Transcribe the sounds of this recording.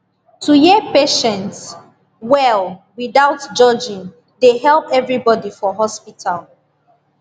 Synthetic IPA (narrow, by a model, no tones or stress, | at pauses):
tʰujepeʃɛ̃nts | wɛlˠwiðaʊtd͡ʒɔd͡ʒĩŋ | deɦɛlˠpɛvɹibɔdifɔɦɔspitʰal